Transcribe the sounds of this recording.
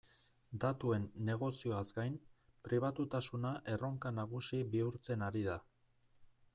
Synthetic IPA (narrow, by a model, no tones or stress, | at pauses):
d̪at̪ue̞nːe̞ɣ̞o̞sio̞azɡajn | pɾiβ̞at̪ut̪asunaʔe̞ro̞ŋkanaɣ̞usiβiuɾt͡se̞naɾiða